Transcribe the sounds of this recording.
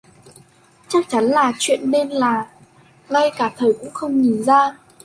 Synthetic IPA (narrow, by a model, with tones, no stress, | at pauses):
t͡ɕa˦˥k̚t͡ɕa˨˦nlaː˨˩t͡ɕwḭ˧˨ənɗe˧nlaː˨˩ | ŋa˧jkaː˧˩t̪ʰəː˨˩jkʊ̰˧˥ŋ͡mxə˧wŋ͡mɲi˨˩nzaː˧